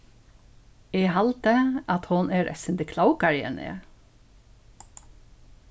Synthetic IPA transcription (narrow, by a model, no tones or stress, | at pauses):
eːhɑlt̪əʔɑt̪hʊnʔæːɾʔɛ̰sənd̪əkʰlɑwkɑɹɪɛ̰ɳḛː